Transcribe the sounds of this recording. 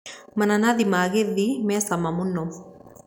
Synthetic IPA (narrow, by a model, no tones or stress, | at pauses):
mɐnɐnaðimaːɣeðːimeːsɐmːɐmunːo